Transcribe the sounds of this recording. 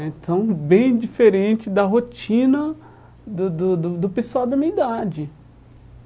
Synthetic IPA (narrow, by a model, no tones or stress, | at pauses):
ẽt̪ʰɐ̃w̃bẽj̃d͡ʒifeɾẽnt͡ʃɪd̪ɐɦot͡ʃĩnɐ | d̪ʊd̪ʊd̪ʊd̪ʊpesuawd̪ɐmĩɐid̪ad͡ʒɪ